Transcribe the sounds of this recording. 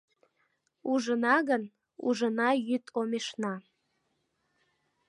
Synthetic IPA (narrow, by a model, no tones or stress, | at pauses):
uʒənɑɣən | ṵʒənɑjyt̪ʰomeʃnɑ